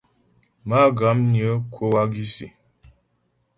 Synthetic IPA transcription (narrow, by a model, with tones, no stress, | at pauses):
ma˦˨ɡa˨˦mɲə˨˦kʰo˦wa˦ɡi˦si˨